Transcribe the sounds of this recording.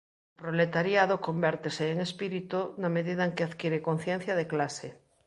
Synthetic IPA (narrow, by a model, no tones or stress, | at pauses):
pɾolet̪aɾjað̞oko̞mbeɾt̪eseːŋespiɾit̪unameðiðaeŋkeaðkjeɾeko̞n̟θjẽn̟θjaðeklase